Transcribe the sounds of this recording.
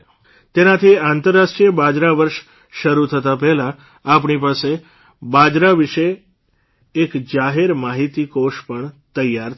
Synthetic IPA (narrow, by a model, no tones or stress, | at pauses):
t̪enat̪ʰiant̪əɾːaʃʈɾijəbad͡ʒɾaʋəɾʃ | ʃəɾut̪ʰət̪apɛɦlãː | p̬ɳipase | bad͡ʒɾaʋiʃeː | kd͡ʒaɦeɾmaɦit̪ikoʃpəɳt̪əjːaɾ